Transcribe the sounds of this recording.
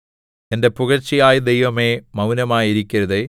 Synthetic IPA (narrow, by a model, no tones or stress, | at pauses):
e̞nde̞puɣɐrt͡ɕːijaːjɐd̪ejʋɐme̞ːmɐwnɐmaːjiɾikʲːɐɾɐðe